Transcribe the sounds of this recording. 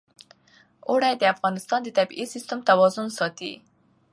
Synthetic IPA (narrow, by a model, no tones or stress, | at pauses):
oɽajd̪əafɣɑnɪst̪ɑnd̪ət̪abiʔisɪst̪ʊmt̪awɑzʊnsɑt̪ḭ